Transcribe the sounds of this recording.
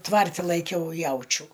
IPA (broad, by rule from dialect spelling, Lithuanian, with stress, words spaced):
ˈtʋɐrʲtʲɪ lˠɐɪˈkʲɛʊ ˈjɛʊt͡ʃʲuː